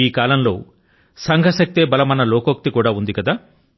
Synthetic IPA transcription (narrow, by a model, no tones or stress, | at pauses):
iːkaːlɐmlo̞̰ː | sɐŋɡʱɐsɐk̚t̪eːbɐlɐmɐnɐloːkok̚t̪ikuːɽaːund̪ikɐd̪aː